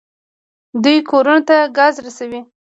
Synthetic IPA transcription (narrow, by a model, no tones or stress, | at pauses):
d̪ujkʰoɾunot̪aɡɑzɾasawi